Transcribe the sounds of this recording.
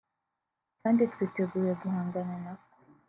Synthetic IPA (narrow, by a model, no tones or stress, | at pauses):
kaːndituiteɡuːɾeɡuɦaːŋɡanenako